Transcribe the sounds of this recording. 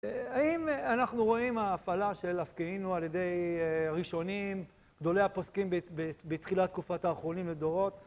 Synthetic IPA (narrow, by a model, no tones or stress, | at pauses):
haimanaχnuʁo̞imaːfalaʃelafkiinualjed̪e̞jʁiʃo̞nim | ɡ̥d̪o̞le̞japo̞skimbbebet̪χilat̪kufataːχʁo̞nimled̪o̞ʁo̞t